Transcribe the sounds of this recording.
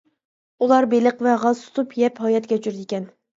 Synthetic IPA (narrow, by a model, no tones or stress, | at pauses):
ulˠɑɾbeləqvɛʁɑzt̪ʰu̥t̪ʰupjɛphɑjɑt̪ɡʲɛt͡ʃʰyɾd̪ɪkʲɛn